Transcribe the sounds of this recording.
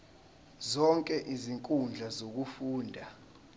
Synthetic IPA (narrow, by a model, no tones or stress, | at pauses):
zɔŋkʼɛʔiziŋkʼund͡ɮʱazok̬ufuːndʱa